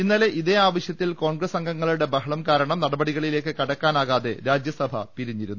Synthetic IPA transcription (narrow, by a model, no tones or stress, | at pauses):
inːaːleʔiðe̞ːaːʋɐɕjɐt̪ːilko̞ːɳɡɾɐsɐŋɡɐŋːɐɭuɽe̞bɐɦɐɭɐmkaːɾɐɳɐmnɐɽɐbɐɽiɣɐɭile̞ːkːɨkɐɽɐkːaːnaːɣaːðeɾaːd͡ʑjɐsɐbʱɐ̰p̪iɾiɲːiɾunːu